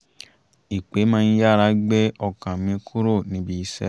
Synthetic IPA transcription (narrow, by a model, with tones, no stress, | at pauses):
i˨k͡pe˨˦mãː˦˧˦ja˦˨ɾa˨˦ɡ͡be˦ɔ˦˨kã˨mĩ˨˧˦kʰu˦ɾo˦˨nĩ˨˦bi˧i˧˦sɛ̰˦